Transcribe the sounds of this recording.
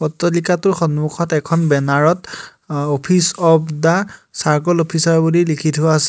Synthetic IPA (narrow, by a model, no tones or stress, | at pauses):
pɔtːɔlikatʊɹxɔnmukʰɔtɛkʰɔnbɛnaɹɔt | opʰisɔpdasaɹkɔlopʰisaɹbulilikʰitʰʊas